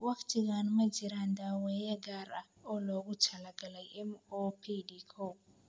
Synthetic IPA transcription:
wɐqt̪iɣanmɐd͡ʒɪɾand̪aːwɛːjɛɡaɾɐ̰ | ɔːlɔːɡʊt͡ʃʰɐlɐɡɐlɐjɛmɔpʰidikʰo

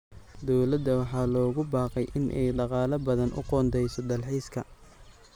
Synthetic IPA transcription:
d̪ɔwlɐd̪ːɐwɑħɑːlɔːɣʊbɑːqɛjʔɪnʔɛ̰jɖɑqɑːlɐbɐðɐnʔʊ̰qɔːnd̪ɛjsɔd̪ɐlħiːskʰɐ̰

